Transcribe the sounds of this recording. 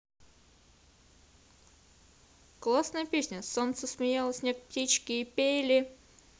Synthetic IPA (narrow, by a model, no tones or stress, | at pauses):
klˠasnəjəpʲesʲnʲəsont̪səsmʲɪjalˠəsʲnʲek̚ptʲit͡ɕkʲɪːpʲelʲɪ